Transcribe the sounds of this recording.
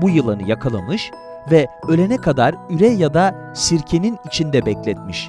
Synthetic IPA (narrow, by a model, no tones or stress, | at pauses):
bujɯlˠanɯjakʰalˠa̰mɯʃ | vɛø̞lʲenɛkʰad̪aɾyɾɛjad̪a | siɾcʰe̞ninit͡ʃʰind̪ɛbɛclʲɛt̪miʃ